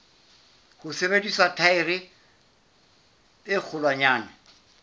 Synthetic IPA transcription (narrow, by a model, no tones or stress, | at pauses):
hʊsebedisatʰaɪrɪ | ɪk͡xʰʊlwaɲaːnɛ